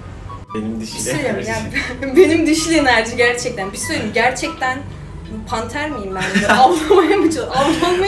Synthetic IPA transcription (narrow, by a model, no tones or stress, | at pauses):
beniiselejabbe̞nimd̪iʃlʲienæɾd͡ʒiɟæɾt͡ʃʰɛc̚t̪ʰænbisojnɟæɾt͡ʃʰɛc̚t̪ʰæn | pʰant̪ʰæɾmijimbænavlˠamajamɯt͡ʃʰɯavlˠanˠma